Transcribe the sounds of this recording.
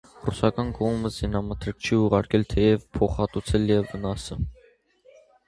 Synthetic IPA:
rusɑkɑnkɔʁməzinɑmət̪ʰɾək̚t͡ʃʰiuʁɑɾkɛlt̪ʰɛjɛvpʰɔχɑt̪ut͡sʰɛljɛvːənɑsɛm

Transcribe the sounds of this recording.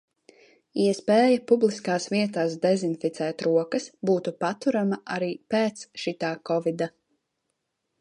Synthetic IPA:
iɛspɛːjapublˠiskaːsviɛt̪aːs̬d̪ɛzinfit̪sɛːt̪ɾuɔkɐsbuːt̪upat̪uɾamaʔaɾiːpeːt̪sʃit̪aːkɔvid̪a

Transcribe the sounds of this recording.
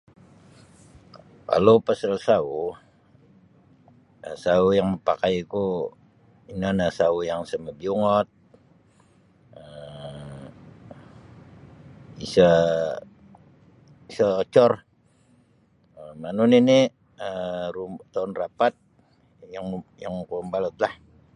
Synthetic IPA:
ka̰lopasalsau | əsaujaŋməpakajku | inanasaujaŋsəməbiuŋɔt̪̚ | ə | isə | isəot͡ʃɔr | əmanuninɪ | ərumt̪aʊnrapat̪̚ | jaŋjaŋkuumbalət̪lah

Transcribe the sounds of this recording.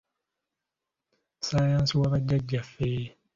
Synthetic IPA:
sajãːnsiwaβaɟːaɟːafe

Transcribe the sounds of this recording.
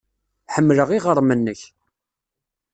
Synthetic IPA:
ħəmːləʁiʁəɾˤmənːəç

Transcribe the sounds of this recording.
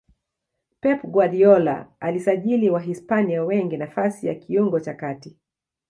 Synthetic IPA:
pɛpɡwaɗiɔla̰alisaʄiliwaɦispaniawɛŋɡinafasijakiuŋɡɔt͡ʃakati

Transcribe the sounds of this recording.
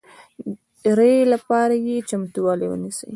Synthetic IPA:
ɾelapɑɾajet͡ʃamt̪uwɑlewə̰nisə̰j

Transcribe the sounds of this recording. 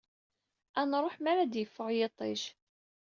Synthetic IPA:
ænɾˤoħmæɾæd̪jəfːəʁjet̪ˤeʃ

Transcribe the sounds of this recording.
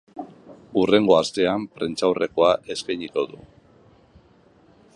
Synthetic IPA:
ure̞ŋɡo̞ast̪e̞ampɾent͡sawre̞ko̞aʔe̞spejɲiko̞ðṵ

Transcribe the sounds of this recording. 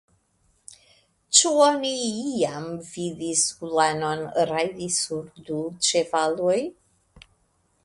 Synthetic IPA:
t͡ʃuoniiamviðisulano̞nɾajdisuɾdut͡ʃevaloj

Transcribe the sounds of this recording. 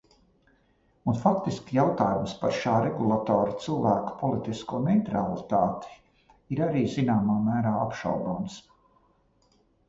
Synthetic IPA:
unfakt̪iskʲjawt̪aːjumspaɾʃaːɾɛɡulˠat̪ɔːɾat̪silˠvæːkḁpɔlˠit̪iskuɔnɛjt̪ɾalˠit̪aːt̪i̥ | iɾaɾiːzinaːmaːmæːɾaːapʃa̰wɡ̪oːns

